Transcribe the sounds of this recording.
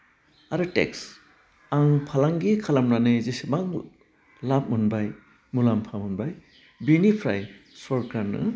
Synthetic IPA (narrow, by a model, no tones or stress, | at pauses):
aɾɯtḛks | aŋpʰalaŋɡikʰalamnanɯzisibaŋ | lap̚munbaj | mulampʰamunbaj | binipʰɾa̰jsɔɾkɾaɾnɯ̰